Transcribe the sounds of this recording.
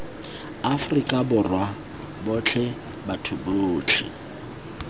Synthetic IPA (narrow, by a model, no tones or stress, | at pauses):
afʊrikʼabʊrwa | bʊt͡ɬʰɛ | batʰuboːt͡ɬʰɪ̰